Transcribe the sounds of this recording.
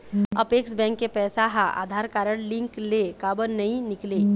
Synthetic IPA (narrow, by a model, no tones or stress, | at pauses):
əpeːksbɛ̃ːŋkːepɛːsaɦaʔa̰ːd̪ʱaːɾkaːɾəɽlɪ̃ŋklekaːbənnɐɦĩnɪkle